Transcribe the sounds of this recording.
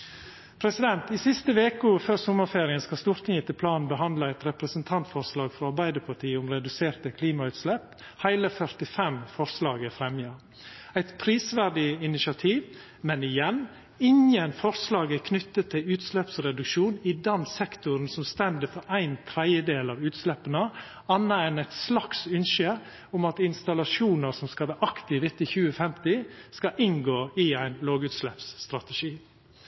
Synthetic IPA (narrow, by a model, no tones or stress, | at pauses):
pʰɾɛsɪd̪ɛnt̪ɪsɪst̪əʋeːkʊføːɾsʊmːəfeːɾɪənskɑst̪uːɾt̪ʰɪŋət̪ʰɪlpʰlɑːnnbəɦɑnd̪ləæɪt̪ɾɛpɾəsənt̪ʰɑnt̪fɔɾslɑːɡfɾɔɑɾbæɪd̪əpʰɑʈʰiːəʊmɾɛd̪ʉseːɾt̪əkʰliːmɑʉːt̪slɛp | hæɪləfœɾt̪ɪfɛmfɔɾslɑːɡəfɾɛmjɑ | æɪt̪pʰɾiːsʋæɖɪɪnɪʃɑt̪ʰiːʋ | mɛnɪjɛn | ɪɲjənfɔɾslɑːɡəkʰnʏt̪ːət̪ʰːɪlʉːt̪slɛpsɾɛd̪ʉkʃuːnɪd̪ɑnsɛkt̪ʊɾnsɔmst̪ɛnd̪əfɔɾʔæɪnt̪ʰɾɛɪəd̪eːlɑːʋʉːt̪slɛpənə | ɑnːəɛnæɪt̪slɑksʉnʃə | ʊmɑt̪ɪnst̪ɑlɑʂuːnəɾsɔmskɑʋæʔɑkt̪ɪʋɪt̪ːɪçʉːəfɛmt̪ɪskɑʔɪŋɡoːɪæɪnloːɡʉt̪slɛpst̪ɾɑt̪əʃiː